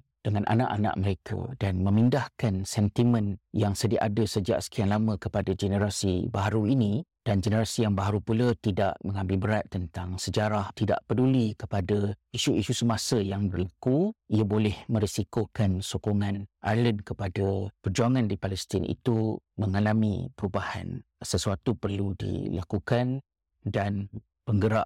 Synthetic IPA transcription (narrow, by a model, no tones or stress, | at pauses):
d̥əŋanʔa̰na̰ʔanã̰ʔməɾekʰa̰danmə̃mindahkansɛnt̪imə̃njaŋsədiaʔadəsəd͡ʒa̰ʔsə̥kianlamə̃kəpadad͡ʒənəɾasḭbaɦaɾuinĩd̥and͡ʒənəɾasijaŋbaɦaɾupulət̪ida̰ʔmə̃ŋãmbɪlbəɾat̪̚ːənt̪aŋsəd͡ʒaɾaht̪ida̰ʔpədulikəpadaiʃuiʃusəmasəjaŋbərlakuiabolɛhmə̃ɾisikokansokoŋãnʔaləndkəpadapərd͡ʒuaŋãndipalɛst̪ɪnḭt̪uməŋalamḭpəɾubaha̰nsəsuat̪upərludḭlakukan | dan | pəŋɡəɾa̰ʔ